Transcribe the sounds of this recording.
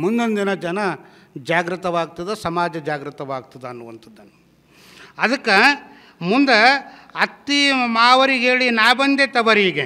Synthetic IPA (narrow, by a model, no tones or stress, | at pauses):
mund̪ond̪inɐd͡ʒɐnɐ | d͡ʒaːɡɾɐt̪ɐʋaːɡ̚t̪ɐd̪esɐmaːd͡ʒɐd͡ʒaːɡɾɨt̪ɐʋaːɡt̪ɐd̪eɐnːuʋɐnt̪ʰɐd̪ːɐnː | ɐd̪ɐkːɐ | mund̪ɐɐt̪ːimaːʋɐɾiɦeːɭinaːbɐnd̪et̪ɐʋɐɾiːɡe